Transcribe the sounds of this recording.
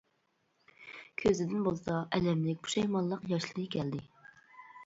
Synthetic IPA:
kʲʰøzɪd̪ɪnbolˠsɑʔɛlɛmlɪk̚ʲbʰu̥ʃɛjmɑnlˠːəqjɑʃlˠɨɾɨkʲʰɛld̪ɪ

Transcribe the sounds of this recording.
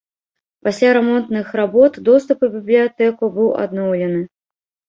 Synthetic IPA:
pasʲlʲaɾɛmɔnt̪nɨxrabɔt̪d̪ɔst̪upɨbʲiblʲijat̪ɛkubɨwʔa̰d̪nɔwlʲɛnɨ

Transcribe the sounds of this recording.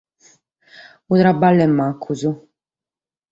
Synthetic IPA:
ud̪ɾabalɛmːakʰuzu

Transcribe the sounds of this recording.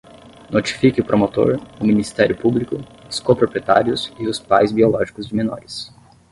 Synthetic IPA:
not͡ʃi̥fikɪʊpɾomot̪o̰ɾʊminist̪ɛɾjʊpublikʊskopɾopɾiet̪a̰ɾiʊsɪʊspajzbiolɔʒikʊzd͡ʒɪmẽnɔ̰ɾɪs

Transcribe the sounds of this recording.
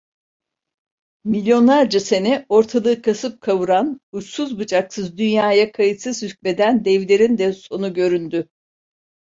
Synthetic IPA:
milʲjo̞nlˠaɾd͡ʒase̞nɛo̞ɾt̪ʰalˠɯːkʰasɯp̚kʰavɯɾanut͡ʃsuzbɯd͡ʒaksɯzd̪ynjaːjakʰajɯt̪sɯzhycme̞d̪ænd̪ɛvlʲe̞ɾind̪ɛso̞nuɟø̞ɾynd̪y

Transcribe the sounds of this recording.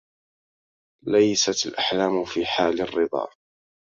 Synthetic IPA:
lajsat̪alʔaħlaːmfiːħaːlɪrːɨd̪ˤɑ̰ː

